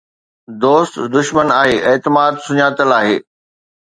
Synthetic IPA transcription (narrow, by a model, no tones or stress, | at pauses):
d̪oːst̪d̪ʊʃmənaːɦeːʔeːt̪ɪmaːd̪sʊɲaːt̪əlaːɦeː